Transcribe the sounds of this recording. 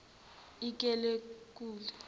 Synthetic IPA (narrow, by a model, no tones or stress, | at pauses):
ik̬ʼɛlek̬ʼuːlɛ